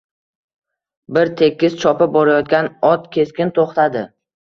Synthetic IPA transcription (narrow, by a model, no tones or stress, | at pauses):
bɪɾt̪ʰe̞kʲːɪst͡ʃʰɒpɪbɒɾajɒt̪̚kʲanɒt̪kʲʰe̞skʲɪnt̪ʰoχt̪ʰad̪ɪ